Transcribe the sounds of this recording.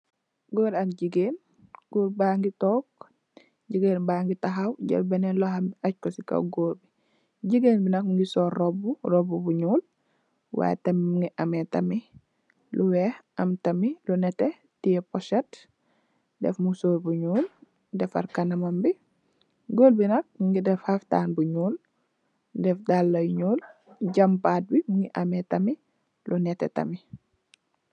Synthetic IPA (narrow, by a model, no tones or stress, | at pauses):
ɡoːɾɐk̚ɟiɡeːn | ɡ̥oːɾbaːŋɡitɔːk̚ | ɟiɡeːnbaːŋɡitaɦawɟɐ̰lbɛnɛnlɔhambiac̚kɔsika̰ɡoːɾbi | ɟiɡenbinɐk̚mŋɡisɔːɾroburobubuɲuːl | wa̰j̰tɐmimuŋɡiʔametɐmi | luwehɐmtɐmilunɛte | tiɛpɔʃɛt | dɛ̰fmusoːɾbuɲuːl | dɛfa̰ɾkɐnɐmɐmbi | ɡoːlbinɐk̚mŋɡidɛfhafta̰ːnbuɲuːl | dɛfdalːojɲuːl | ɟɐmpaːt̚bimuŋɡiʔɐmetɐmi | lunɛtɛ̰tɐ̰mi